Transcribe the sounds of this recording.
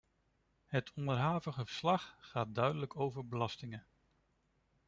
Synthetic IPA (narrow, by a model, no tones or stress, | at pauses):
ɦətʰɔndəɹɦaːvəχəvəɹslɑχχaːt̚dœɥdələkowvəɹbəlɑstɪŋə